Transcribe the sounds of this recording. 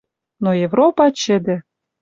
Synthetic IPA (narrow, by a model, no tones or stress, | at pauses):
nojevɾopɑt͡ɕɘ̆d̪ɘ̆